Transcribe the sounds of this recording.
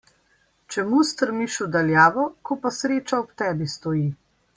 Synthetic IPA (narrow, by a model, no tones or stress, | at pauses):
t͡ʃɛmust̪əɾmiʃud̪aljaːʋɔkɔpasɾeːt͡ʃaɔpt̪ɛːbist̪ɔji